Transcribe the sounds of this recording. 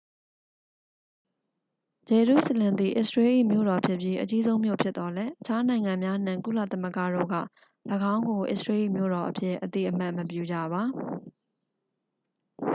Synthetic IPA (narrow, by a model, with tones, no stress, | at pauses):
d͡ʑɛ˨ɹṵ˦˨sə˨lɪ̃˨nd̪ḭ˨ʔɪ̰˦˨swe˦ʔḭ˦˨mjo̰˦˨ɾɔ˨pʰjɪ˦ʔpji˦ʔət͡ɕi˦zõ˦ʊ̃mjo̰˦˨pʰjɪ˦t̪t̪ɔ˨lɛ˦ʔət͡ɕʰa˦nã˨ɪ̃ŋã˨mja˦n̥ã˨ŋkṵ˦˨la̰˦˨t̪aə˦mə˦ɡa̰˦˨do̰˦˨ɡä̰˦˨ | ləɡã˦ʊ̃ŋɡo˨ʔɪ̰˦ʔsɹe˦ʔḭ˦˨mjo̰˦˨ɾɔ˨ʔəpʰjɪ˦˨ʔət̪ḭ˦˨ʔəm̥a˦ʔməpjṵ˦˨d͡ʑä̰˦˨βa˨